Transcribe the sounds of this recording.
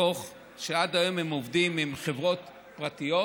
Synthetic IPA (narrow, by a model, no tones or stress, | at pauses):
oχ | ʃeadajomhemovdimimχe̞vʁo̞t | pʁatijo